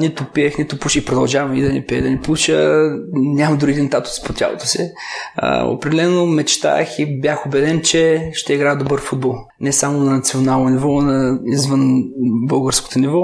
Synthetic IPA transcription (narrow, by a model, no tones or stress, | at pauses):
nɛt̪ʊpiɛxnɛt̪ʊpuʃipɾod̪ɐlˠʒavɐmḭd̪ɐnɛpiɛ̰d̪ɐnɛplˠuʃə | nʲamɐd̪uɾɡid̪ʲint̪at̪ʊ̥spot̪ʲa̰lˠo̰t̪osḭ | o̰pɾɛd̪ɛlɛnomɛt͡ʃt̪a̰xibʲjaxobɛd̪ɛnt͡ʃɛʃt̪ɛiɡɾaɛd̪obɤɾfud̪̚bɔlˠ | nɛsamonɐnɐt̪sionalˠnonivɔnɐizvənbɤlˠɡəɾsko̥t̪onivɔ